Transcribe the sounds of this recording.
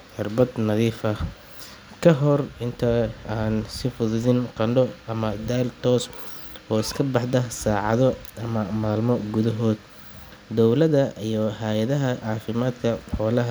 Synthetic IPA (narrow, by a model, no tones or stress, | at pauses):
ħʊrbɐd̪nɐðiːfɐ | kʰɐɦɔrɪnt̪ʰɐaːnsɪfʊðʊðɪnqɑɳɖɔɐmɐd̪aːlt̪ʰɔːs | ɔːɪskʰɐbɑħd̪ɐsaːʕɑ̰ðɔɐmɐmaːlmɔɡʊðɐɦɔːd̪ | d̪ɔwlɐðɐʔijɔɦɛjɐðɐɦɐʕɑːfɪmaːd̪kʰɐhɔːlɐɦɐ